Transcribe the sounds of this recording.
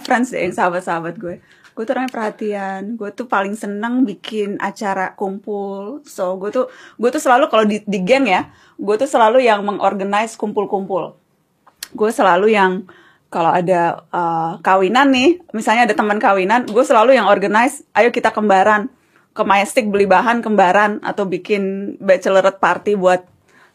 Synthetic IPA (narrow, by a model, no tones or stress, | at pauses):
fɾɛnsdɛ̰jaŋsaɦabat̪̚saɦabat̪̚ɡuɛ | ɡ̥uɛt̪uɾaŋapərhat̪ianɡuɛt̪upalɪŋsənəŋbikʰɪna̰t͡ʃaɾakumpʊlsoɡuɛt̪uɡuɛt̪usəlalukalodidiɡɛŋja | ɡuɛt̪usəlalujaŋməŋʔɔ̰rɡanajskumpʊlkumpʊl | ɡuɛsəlalujaŋ | kaloadaəkawinanːɪhmisalɲaːdat̪əmənkawinanɡuɛsəlalujaŋɔrɡanajsʔajukit̪akəmbaɾan | kəmaɛst̪ɪk̚bəlibaɦankəmbaɾana̰t̪awbikɪnbat͡ʃələɾət̪̚part̪ibuat̪̚